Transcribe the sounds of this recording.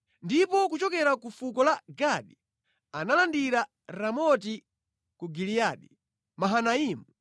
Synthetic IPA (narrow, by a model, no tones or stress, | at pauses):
ndipɔkut͡ʃɔkɛɾakufukɔlaɡaɗi | analandiɾa | ɾamɔti | kuɡilijaːɗi | maɦanaiːmu